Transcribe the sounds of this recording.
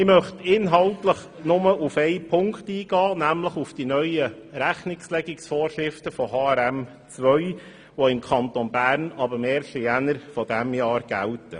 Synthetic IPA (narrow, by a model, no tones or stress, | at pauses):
ɪmœχtɪnɦɑltləχ | nʊməufɛɪpʰʊŋktiːɡ̥ɑːnæmləχufd̥inœʏəɾæχnɪkslɛɡɪksfɔːrʃɾɪftəfɔɦɑːɛɾɛm | t͡sʋœʏ | ʋoɪmkʰɑnt̪onbæːɾnɑbəmeːɾʃijænəɾfɔd̥æmjɑːɾɡ̥æ̰ltə